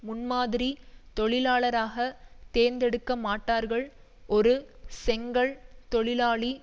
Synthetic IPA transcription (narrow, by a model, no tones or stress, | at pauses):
mʊnmaːðɪɾit̪ɔɭɪlaːɭɐɾaːɣɐt̪eːnd̪ɛɽɯkːɐmaːʈːaːɾɣɐɭ | ʔɔɾɯsɛŋɡɐɭt̪ɔɭɪlaːɭi